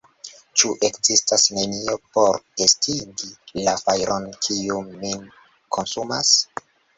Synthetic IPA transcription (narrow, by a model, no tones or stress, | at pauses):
t͡ʃuʔe̞kzistasne̞nio̞po̞ɾe̞stʰiɡilafajɾʔonkʰiumːin | kʰo̞nsumas